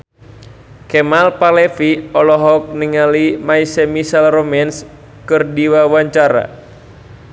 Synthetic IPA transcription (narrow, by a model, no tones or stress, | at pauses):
kɛmalpalɛfiɔlɔɦɔk̚niŋalimaisɛmisalromɛns | kɨrdiwawaɲt͡ʃaɾa̰